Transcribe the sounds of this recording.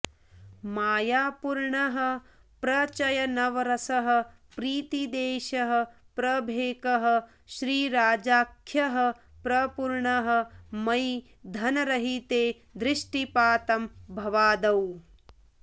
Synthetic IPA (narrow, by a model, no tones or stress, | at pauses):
maːjaːpuɾɳɐɦɐ̆ | pɾɐt͡ʃɐjɐnɐʋɐɾɐsɐɦɐ̆ | pɾiːt̪id̪eːʃɐɦɐ̆ | pɾɐbʱeːkɐɦɐ̆ | ʃɾiːɾaːd͡ʒaːkʰjɐɦɐ̆ | pɾɐpuɾɳɐɦɐ̆mɐj | d̪ʱɐnɐɾɐɦit̪eː | d̪ɾɪʂʈipaːt̪ɐmbʱɐʋaːd̪ɐw